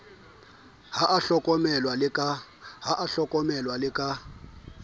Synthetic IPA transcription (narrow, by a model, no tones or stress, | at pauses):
haʔaɬɔkʼɔmɛlwalɪkʼa | ɦaʔaɬɔkʼɔmɛlwalɪkʼa